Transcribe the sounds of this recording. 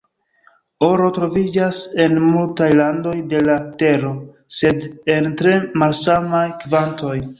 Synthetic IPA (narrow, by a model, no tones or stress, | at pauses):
o̞ɾo̞tɾo̞vid͡ʒase̞nmultajlando̞jde̞late̞ɾo̞ | se̞de̞ntɾe̞malsamajkvanto̞j